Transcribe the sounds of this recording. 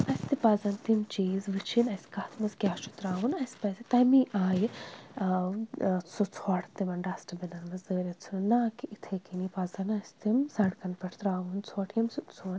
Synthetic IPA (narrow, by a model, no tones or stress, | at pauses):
ɐsʲt̪ipaːzɐnt̪imt͡ʃiːzʋɨt͡ʃʰinɐskaːt̪ʰmɐskʲaːt͡ʃut̪ɾaːʋunɐspɐsit̪ɐjmiʔaːji | t͡sʰot͡sʰoːʈʰt̪imɐnɖaːsʈɐbinɐnmɐzzəːɾɐt͡sʰunɐnːaːkiʔit̪ʰekinipaːzɐnɐst̪imsɐɽkɐnpɐʈʰt̪ɾaːʋunt͡sʰoːʈʰjɐmst͡sʰuɐn